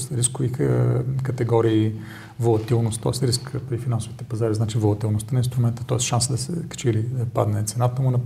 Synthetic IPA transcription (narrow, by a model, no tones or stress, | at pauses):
sɾiskʊvi | kɐt̪ɛɡɔɾiː | volˠɐt̪ilˠnost̪t̪ɔ̰ɛsɾiskt̪ifinansʊvit̪ɛpɐzaɾiznat͡ʃivolˠɐt̪ilˠnost̪əninst̪ɾʊmɛnt̪ə̥t̪ɔɛsʃansəd̪ɐsɛ̰kɐ̥t͡ʃilipa̰d̪nɛt̪sɛnat̪əmunɐ